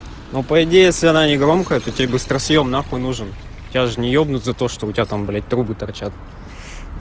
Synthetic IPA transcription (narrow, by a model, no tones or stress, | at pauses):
nopəɪdʲejjesʲlʲɪɐnanʲɪɡɾo̞mkəjət̪otʲebɨst̪ɾɐsjomnaxʊnuʐɨn | ʊtʲɪaʐɨnʲɪjobnʊt̪ʲzɐt̪o̞ʂt̪oʊtʲɪat̪amblʲet̚ʲt̪ɾubɨt̪ɐrt͡ɕat̪̚